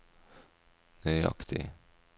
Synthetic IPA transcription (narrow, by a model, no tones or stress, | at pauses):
nœʏɑ̰kt̪ʰɪ̰